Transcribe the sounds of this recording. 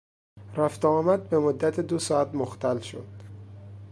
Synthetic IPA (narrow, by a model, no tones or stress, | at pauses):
ɾæft̪eɒːmæd̪̚be̞mod̪ːæt̪ʰed̪osɒːæt̪moxt̪ælʃo̰d̪̥